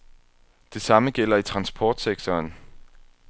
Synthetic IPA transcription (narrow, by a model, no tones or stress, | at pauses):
d̥e̝sɑ̈məɡ̥el̰ɐit͡sʰʁɑ̈nsb̥ʰɒːd̥seɡ̥̚t͡sʰɒːn